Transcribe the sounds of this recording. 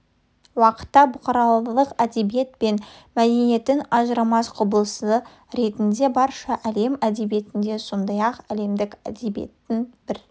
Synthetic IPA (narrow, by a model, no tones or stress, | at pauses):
wɑqə̥t̪ːɑbʊqɑɾɑlˠlˠəqæd̪e̞bijet̪̚pe̞nmæd̪e̞ne̞t̪ɪnɑʒəɾɑmɑsqʰʊbəlˠəsə | ɾe̞t̪ɪnd̪e̞bɑɾʃɑʔæle̞mæd̪e̞bije̞t̪ɪnd̪e̞so̞nd̪ɑjɑqæle̞md̪ɪkæ̰d̪e̞bijḛt̪ːɪnb̥ɪɾ